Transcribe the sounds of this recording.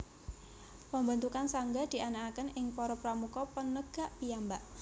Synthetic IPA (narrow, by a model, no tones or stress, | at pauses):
pəmbant̪ukansaŋɡad̪̥i̤ʔanakakənɪŋpɔɾɔpɾamukɔpənəɡ̥aʔpijambaʔ